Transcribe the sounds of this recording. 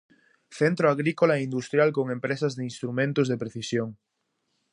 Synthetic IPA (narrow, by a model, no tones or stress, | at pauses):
θent̪ɾoaɣɾikolaeind̪ust̪ɾjalkoŋẽmpɾesazðeinst̪ɾumẽnt̪ozðepɾeθisjoŋ